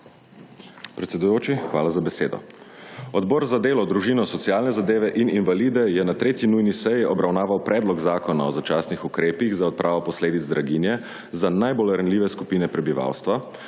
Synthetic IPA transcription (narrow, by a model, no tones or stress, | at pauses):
pɾɛt̪sɛd̪ujoːt͡ʃixʋa̰ːlazabɛseːd̪ɔ̰ | ɔd̪bɔɾzad̪eːlɔd̪ɾuʒiːnɔsɔtsijaːlnɛzad̪eːʋɛʔininʋalid̪ɛjɛnat̪ɾeːt̪jinujnisɛjiʔɔbɾawnaːʋawpɾɛːd̪lɔɡzaːkɔnaɔzat͡ʃaːsnixukɾeːpiɣzaɔt̪̚pɾʔaːʋɔpɔsleːd̪id̪zd̪ɾaɡinjɛ | zanajbolɾənliːʋɛskupiːnɛpɾɛbiʋa̰ːwst̪ʋa